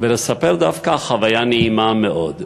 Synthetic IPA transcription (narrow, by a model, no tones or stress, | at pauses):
velesape̞ʁd̪afkaχavajanehimameʔo̞d̪